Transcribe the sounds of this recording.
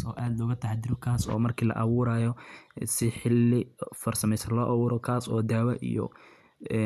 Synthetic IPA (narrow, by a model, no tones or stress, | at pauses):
sɔːʔaːd̪lɔːɣɐt̪ʰɐɦɛjd̪ɪɾʊkʰaːsɔ̰ːmɐrkʰiːlɐ̰ʔɐ̰wʊːɾaːjɔsɪħɪlːɪfɐrsɐmɛjsɐlɔːʔɐwʊːɾɔkʰaːsɔːd̪aːwɐʔḭjɔ̰ | ɛ